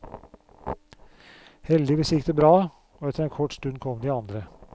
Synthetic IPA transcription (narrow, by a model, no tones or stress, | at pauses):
hɛld̪ɪʋɛsɪkd̪əbɾɑː | oːɛt̪əɾeːnkʰɔʈːst̪ʉnkʰɔmd̪iːɑnd̪ɾə